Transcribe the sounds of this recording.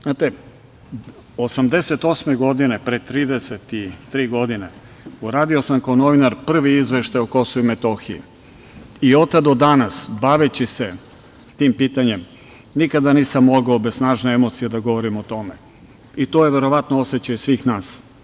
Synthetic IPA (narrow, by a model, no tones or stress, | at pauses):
znaːt̪e̞ | osamd̪e̞set̪o̞sme̞ɡo̞d̪inepɾet̪ɾiːd̪eset̪it̪ɾiːɡo̞d̪ine | uɾaːd̪iosamkaono̞ʋinaɾpr̩ʋiizʋeʃt̪ajuko̞souimet̪o̞xiḭ | io̞t̪ːad̪o̞d̪anasbaʋet͡ɕise̞ | t̪iːmpiːt̪aɲe̞m | nikad̪aniːsamːo̞ɡaobessnaːʒneemo̞t̪sijed̪aɡo̞ʋo̞ɾimot̪o̞me | it̪oːje̞ʋe̞ɾo̞ʋat̪noo̞set͡ɕajisʋiːxnaːs